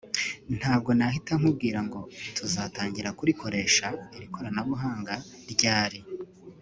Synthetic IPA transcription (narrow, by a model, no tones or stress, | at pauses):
n̥haːb̚ɡo̞nahitaŋ̥ub̚ɡiːɾaŋɡo̞tʰuzataːɲɟiɾakuɾiko̞ɾe̞ːʃaiɾiko̞ɾanaβuɦaːŋɡa | ɾɟaːɾi